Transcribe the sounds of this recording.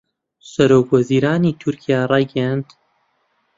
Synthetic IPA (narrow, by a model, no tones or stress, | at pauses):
sɐɾoːkʰwɐziːɾaːnit̪ʰʊɾkʰijaːrˤɑːjɡɛjand̪